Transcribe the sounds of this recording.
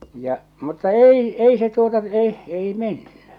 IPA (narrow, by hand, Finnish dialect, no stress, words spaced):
jɑ mutːɑ ei ei se tuotɑ se ei menːy